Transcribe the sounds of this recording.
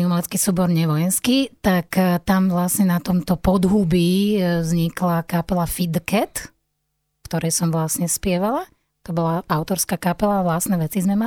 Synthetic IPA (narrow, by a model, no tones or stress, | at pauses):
imalɛt͡skisuːbɔɾɲɛʋɔjɛnskit̪akt̪amʋlasɲɛnat̪ɔmt̪ɔpɔd̪ɦubizɲiklakapɛlafid̪kɛt̪ | kt̪ɔɾɛjsɔmʋlasɲɛspɪɛʋala | t̪ɔbɔlaaʊt̪ɔɾskaːkapɛlaʋlasnɛʋɛt͡sizmɛma